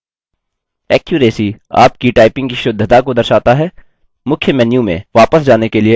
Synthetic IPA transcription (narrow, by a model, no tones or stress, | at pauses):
ɛːkjʊɾeːsia̰ːpkiʈaːɪpɪ̃ŋɡkiʃʊd̪ʱːt̪akod̪ɐɾʃaːt̪aɦɛː | mʊkʰjəmɛnjũmḛ̃ʋaːpəsd͡ʒaːnekelie